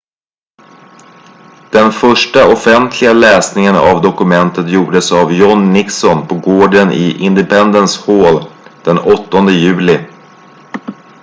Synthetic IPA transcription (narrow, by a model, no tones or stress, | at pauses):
d̪̥ɛnfœʂʈaɔfɛnt̪ʰlɪɡalɛːsnɪŋəna̰vd̪ɔkɵmɛnt̪ət̪juːɖəsavjɔnːɪksɔnpʰɔɡoːɖənɪ̰ʔɪnd̪ɛpʰɛnd̪ənshoːld̪̥ɛnɔt̪ːɔnd̪əjʉ̟ːlɪ